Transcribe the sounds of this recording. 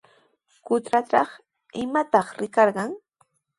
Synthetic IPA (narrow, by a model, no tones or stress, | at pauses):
kʊt̪ɾatɑχ | ɪmat̪ɑχɾɪkɑɾɢɑŋ